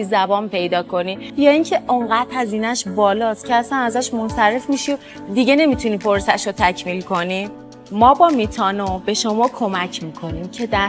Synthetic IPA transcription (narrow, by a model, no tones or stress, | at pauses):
izæbɒːnpe̞jd̪ɒːkʰo̞niːjɒːiːŋcʰe̞ʔoŋɢæt̪hæziːnæʃbɒːlɒːst̪cʰeæsænæzæʃmonsæɾe̞fmiʃio | d̪iɟe̞ne̞mit̪ʰuniːpʰoɾsæʃot̪ʰæcʰmiːlkʰo̞ni | mɒːbɒːmiːt̪ʰɒːnobe̞ʃo̞mɒːkʰo̞mæcʰmiːkʰo̞niːmcʰe̞d̪æ